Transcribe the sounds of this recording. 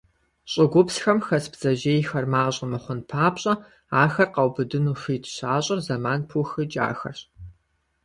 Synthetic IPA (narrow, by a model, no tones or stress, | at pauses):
ɕʼɪɡʷʊpsxɐmxɐsbz̥ɐʒeːjxɐrmaːɕʼɪmɨχʷʊnpʰaːpɕʼɐ | aːxɐrqɐwbɨdɨnuxɨːtʰɕaːɕʼɐrzɐmaːnpʰuxɨd͡ʒʼa̰ːxɐ̰rɕ